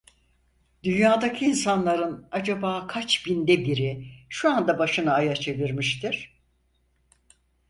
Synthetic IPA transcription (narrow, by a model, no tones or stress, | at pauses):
d̪ynjaːd̪acʰiːnsanlˠaɾɯnad͡ʒabaːkʰat͡ʃbind̪ɛbiɾiʃuand̪abaʃɯnaːjat͡ʃʰe̞viɾmiʃt̪ʰiɾ̥